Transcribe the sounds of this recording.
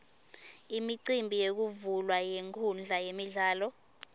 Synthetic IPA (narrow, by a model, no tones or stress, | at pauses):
imiǀimbʱijek̬uvulwajeŋkʰund͡ɮʱajemiɮaːlɔ